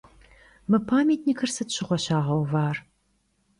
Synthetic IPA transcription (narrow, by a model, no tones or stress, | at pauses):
mɨpʰaːmʲetʰniːkʰɐrsɨtɕɪʁʷɔɕaːʁɐwvaːr